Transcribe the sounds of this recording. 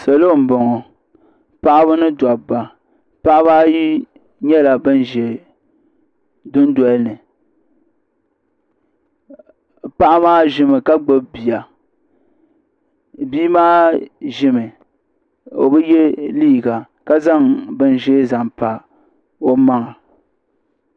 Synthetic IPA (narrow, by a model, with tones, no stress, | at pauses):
sɛ˨lo˦˨m̩˨bo˨ŋɔ˨ | pa˦ʔa˦βɨ˦nɨ˦dwa˨ba˨ | pa˦ʔa˦baː˦ji˦ | ɲɛ˦la˨bɨ˦n˦ʒe˨ | dʊ˦n˦dɔ˦lnɨ˨ | pa˦ʔa˦maː˦ʒɪ˦mɨ˨ka˦ɡ͡bɨ˦bbi˨a˨ | biː˦maː˦ʒɪ˦mɨ˨ | o̰˨bɨ˦je˦liː˦˨ɡa˨ | ka˦za˦ŋbɨ˦nʒe˦za˨mpa˨ | o˦ma˦ŋa˨